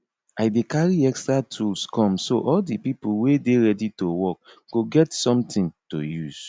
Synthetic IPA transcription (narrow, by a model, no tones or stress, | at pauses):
aɪdekaɹiɛkstɹatʰulskʰɔ̃msoʔɔldipipuwedeɹɛditowɔk̚ | ɡ̥oɡɛtsɔ̃mtʰĩnto̰juz̥